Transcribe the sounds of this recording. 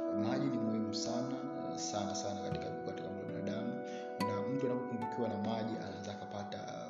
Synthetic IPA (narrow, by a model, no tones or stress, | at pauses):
maʄinimuhimusana | sanasanakatikavukuataulaa̰ɗamu | nam̩tuanapɔkuidukiwanamaʄia̰naɛzaːkapata̰